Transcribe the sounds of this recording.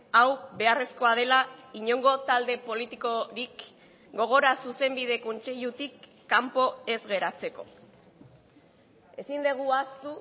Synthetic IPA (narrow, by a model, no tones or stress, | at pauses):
awbe̞are̞sko̞að̞e̞laiɲo̞ŋɡo̞t̪ald̪e̞po̞lit̪iko̞ɾik | ɡo̞ɣ̞o̞ɾasuse̞mbið̞e̞ko̞nt͡se̞ʎut̪ikː | ampo̞e̞zɣe̞ɾat͡se̞ko̞̰ | e̞sind̪eɣ̞uast̪u